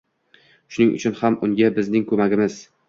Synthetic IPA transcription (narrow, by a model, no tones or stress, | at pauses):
ʃʊnɪŋʔʊ̰t͡ʃʰʊnhamʔʊŋɡʲabɪznɪŋkʰɵmaɡʲɪmɪz̥